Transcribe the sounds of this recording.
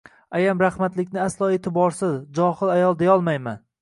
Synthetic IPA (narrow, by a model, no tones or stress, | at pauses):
ajamɾahmat̪lɪkʲnɪaslˠɒːet̪ʰɪbɒɾsɪzd͡ʒɒhɪlajɒlˠd̪ajɒlˠmajman